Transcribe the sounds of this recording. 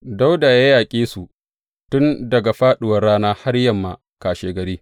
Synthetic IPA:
da˦wda˨ja˦jaː˨kʲʼeː˦su˨ | tʊ˦ndɐ˨ɡa˨ɸaː˦ɗʊ˨wɐ˨rːaː˦naː˦ha˦rjɐ˨mːaː˨ | kaː˨ʃeː˨˦ɡɐ˨ɾiː˦

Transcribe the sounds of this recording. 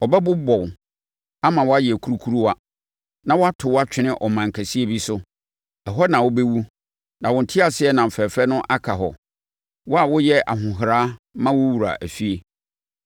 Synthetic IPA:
ɔ˨bɛ˦bʊ˦bɔ˨ | a˦mã˨wɔ˦a˦jkʰu˦ɾu˦kʰu˦u˦wa˦ | nã˦wɔ˦a˦tʰʊ˨wa˦t͡ɕᶣɪ˦nɪ̃˦ʔɔ˨mã˨ŋ̩˨kʰæ˨si˦e˦˨bi˦sʊ˦ | ɛ˨ɦɔ˦nã˨wʊ˦be˦wu˦ | nã˨wʊ˨n̩˨tʰɪ˦a˨sɪ˦ɛ˦nã˨m̩˨fɛ˨fɾɛ˦nʊ̃˦ʔa˦kʰa˨ɦɔ̰˨ | wɔ˦a˨wʊ˦jɛ˦ʔa̰˨ɦʊ̃˨ɦɾaː˦mã˦wʊ˦wu˨ɾa̰˨ʔæ˨fi˦e˨

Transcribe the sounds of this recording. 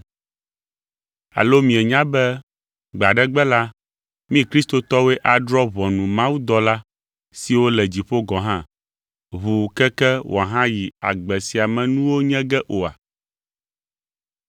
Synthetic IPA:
a̰˨lo˦mĩ˨ɛ˨ɲã˦bɛ˦ | ɡ͡ba˨ɖɛ˦ɡ͡bɛ˦la˦ | mĩ˦kɾi˦st̪o˨t̪ɔ˦we˦ʔa˨ɖɾɔ˦βɔ˨nũ˨mã˦wu˦d̪ɔ˦la˦ | si˨wo˦lɛ˨d͡ʑi˨ɸo˦ɡɔ̃˨ɦã˦ | βu˨kɛ˦kɛ˦wʔo̰˨a˨ɦã˦ji˨a̰˨ɡ͡bɛ˨si˨a˨mɛ̃˨nũ˦wo˦ɲɛ̃˦ɡɛ˦ʔo˨a̰˨

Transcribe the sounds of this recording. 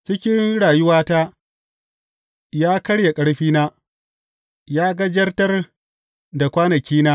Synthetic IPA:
t͡ʃɪ˦kʲɪ˦nɽaː˨jʊ˦waː˦taː˦ | jaː˦kɐ˦ɽja˨kʼɐ˦ɽɸiː˦naː˦ | jaː˦ɡɐ˦d͡ʒɐ˦rtɐ˦r | da˨kʷaː˦nɐ˨kʲiː˦naː˦

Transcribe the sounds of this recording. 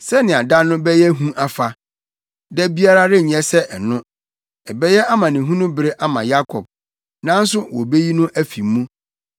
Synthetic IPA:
sɛ˦nɪ̃˨a˨da˦nʊ̃˦bɛ˦jɛ˦ɦũ˦ʔa˦fa˨ | dɛ˦bi˦a˦ɾa˦ɾɪ˦˨ɲɛ̃˦sɛ˦ɛ˨nʊ̃˦ | ɛ˨bɛ˦jɛ˦a˦mã˨nɪ̃˨ɦũ˦nʊ̃˦bɪ˦ɾɪ˦ʔa˦mã̰˨ja˦kʰɔ˨b̚ | nã˦n̩˦sʊ˦wɔ̰˨be˦ji˦nʊ̃˦ʔæ˦fi˨mːũ˦

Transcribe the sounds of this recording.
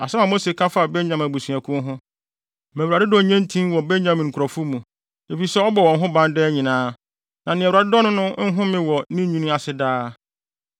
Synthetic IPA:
a˨sɛ˦ã˨mo˦se˨kʰã˦fa˦˨be˦ɲã˨mæ˨bu˨sũ˨æ˨kʰʊ̃˦ɦʊ̃˦ | mæ̃˨wɾa˨ɪ˦dɔ˦˨ɲɛ̃˦n˦tʰĩ˦mwɔ˨be˦ɲã˨mĩ˨ŋ̩˨kʰɾɔ˨fu˦mũ˨ | e˨fi˦sɛ˦ɔ˦bɔ˨wɔ̃˨˦ɦʊ̃˦bã˦ndɛː˦ɲĩ˨nãː˦ | nã˨nɪ̃˨ɛ̃˨wɾa˨ɪ˦dɔ˦nʊ̃˦nʊ̃˦ŋ̩˦ɦʊ̃˦mɪ̃˦wɔ˨nĩ˦ɲũ˦nʊ̃˦a˨sɪ˦daː˦

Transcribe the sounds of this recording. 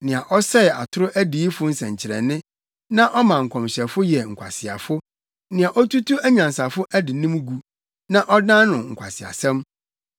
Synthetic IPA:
nɪ̃˨a˨ʔɔ˦sɛ˦˨a˨tʰʊ˦ɾʊ˦ʔæ˦di˨i˦fʊ˦n̩˦sɛ̃˨ɲ˨t͡ɕʰɪ˨ɾɛ̰˨nɪ̃˦ | nã˦ʔɔ˦mã˨ŋ̩˨kʰɔ̃˨mɕɛ˨fʊ˦jɛ˨ŋ̩˨kʷʰa̰˨sɪ˨a̰˨fʊ˦ | nɪ̃˨a˨ʔɔ˦tu˦tʰu˦æ˦ɲã˨n˨sa˨fʊ˦ʔæ˦dɪ˨nɪ̃˦m˦ɡu˨ | nã˦ʔɔ˦dã˦nʊ̃˨ŋ̩˨kʷʰa̰˨sɪ˨a̰˨sɛ̃˦m

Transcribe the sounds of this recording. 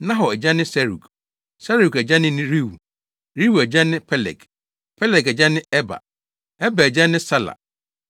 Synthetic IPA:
nã˦ɦɔ˨ɛ˨d͡ʑa˦nɪ̃˦sɛ˦ɾu˨k | sa˦ɾu˨kɛ˨d͡ʑa˦nɪ̃˦nĩ˦ɾi˦wu˨ | ɾi˦wu˨ɛ˨d͡ʑa˦nɪ̃˦pʰɛ˦lɛ̰˨k | pʰɛ˦lɛ˨kɛ˨d͡ʑa˦nɪ̃˦ɛ˦ba̰˨ | ɛ˦ba˨ɛ˨d͡ʑa˦nɪ̃˦sa˦la̰˨

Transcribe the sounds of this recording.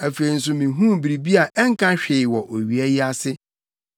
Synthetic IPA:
æ˨fe˨ɾi˨n̩˨s̬ʊ˨mĩ˨ɦũ˦bi˨ɾi˨bi˦a˨ʔɛ˦ŋ̩˦kʰã˦ɕᶣɪ˨ɪ˨wɔ˨ʔo˨ɥi˨a˦ji˦a˦sɪ˦

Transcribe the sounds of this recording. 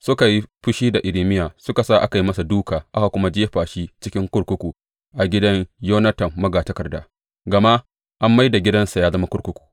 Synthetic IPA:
sʊ˦ka˨ji˦ɸʊ˦ʃiː˦da˨ʔɪ˨ɾiː˨mɪ˦jaː˨sʊ˦ka˨sa˦˨ʔa˦ka˨ji˦mɐ˦sa˨duː˦kaː˨ʔa˦ka˨kʷʊ˦ma˦d͡ʒeː˦ɸaː˨ʃiː˦t͡ʃɪ˦kʲɪ˦ŋkʷʊ˦ɽkʷʊ˦kʷuː˨ | ʔa˨ɡʲɪ˦dɐ˦ɲjoː˦nɐ˦tɐ˨mːɐ˦ɡaː˨tɐ˦kɐ˨rdaː˦ | ɡɐ˨ma˦ʔ | ʔa˦mːa˦jda˨ɡʲɪ˦dɐ˦nsa˨jaː˦zɐ˦ma˦kʊ˦ɽkʷʊ˦kʷu̥ː˨

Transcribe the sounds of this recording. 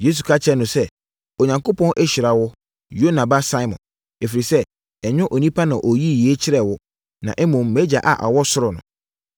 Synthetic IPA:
je˦s̬u˨kʰa˦t͡ɕʰɛ˦nʊ̃˨sɛ˦ | o˨ɲã˨ŋko˦pʰɔ̃˦nʔɛ˦ɕi˨ɾa˨wʊ˦ | jo˦nã˨ba˦sa˦ɪ˦mɔ̰̃˨n | e˨fi˨ɾi˨sɛ˦ | ɛ˨ɲᶣʊ̃˦ʔo˨nĩ˦pʰa˦nã˨ʔo˨ji˦˨ji˨˦e˦t͡ɕʰɪ˦ɾɛ˨wʊ˦ | nã˨ʔɛ˦mʊ̃˨mːe˦d͡ʑa˨ʔa̰˨ʔa̰˨wɔ˦sʊ˦ɾʊ˨nʊ̰̃˨

